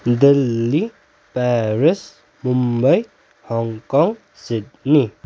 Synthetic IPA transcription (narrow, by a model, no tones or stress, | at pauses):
d̪elːi | paɾis | mumbɐj | hɔŋkɔŋ | sit̚ni